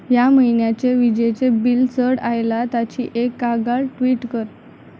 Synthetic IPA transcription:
jaməjnjat͡seʋid͡ʑet͡sebilt͡səɽajlat̪at͡ɕḭːʔekːaɡaɭʈʋiːʈkəɾ

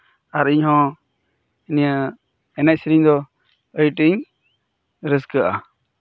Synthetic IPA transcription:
aɾiɲɦɔ̃ | inija | ɛnac̚siɾiɲd̪ɔ | əjʈiɲ | ɾəskəʔa

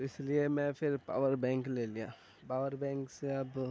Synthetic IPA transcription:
ɪsliemɛ̃pʰɪɾpa̰ːʋəɾbɛ̃ːŋklelijaː | paːʋəɾbɛ̃ːŋkseɐb

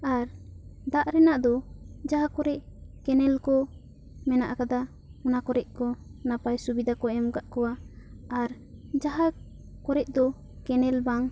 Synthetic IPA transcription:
aɾd̪aʔɾɛnaʔd̪ɔd͡ʒaɦakɔɾɛʔkɛnɛlkɔ | mɛnaʔkad̪a | unakɔɾɛʔkɔnapajsubid̪ʱakɔɛmɡaʔkɔwaː | ɾ | d͡ʒaɦa | kɔɾɛʔd̪ɔ | kɛnɛlbaŋ

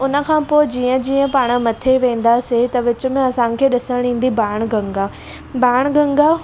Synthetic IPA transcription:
ʊnə̆kʰãːpoːɪd͡ʑiːə̃d͡ʑiːə̃paːɽ̃əmɐt̪ʰeʋẽːn̆d̪aset̪ɐʋɪt͡ɕʊ̆mẽɐsãːkʰeːɗɪsəɽɽ̃ĩːn̆d̪ibaːɽ̃ɡɐ̃ŋɡaː | baːɽ̃ɡɐ̃ŋɡa

